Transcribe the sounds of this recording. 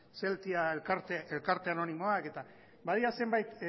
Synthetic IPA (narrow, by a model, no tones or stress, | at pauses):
se̞lt̪iaelkaɾt̪eelkaɾt̪e̞ano̞nimo̞ake̞t̪a | baðiɾase̞mbajt̪